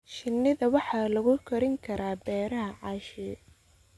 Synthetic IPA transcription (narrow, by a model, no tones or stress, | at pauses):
ʃɪnːɪðɐwɑħɑːlɐɣʊkʰɐɾɪŋkʰɐɾʔaːbɛːɾɐɦɐʕɑːʃɛ